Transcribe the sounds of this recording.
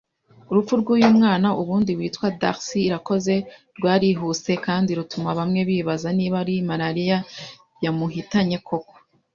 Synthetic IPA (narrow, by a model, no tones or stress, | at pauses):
uɾup͡fuɾɡujuːmŋaːnauβuːndiβwiːtwada̰ʁsiːɾako̞ze̞ɾɡwaːɾiɦuse̞kaːndiɾutumaβamŋe̞βiːβazaniːβaɾimaɾaɾija | jamuɦitaɲe̞kʰo̞ko̥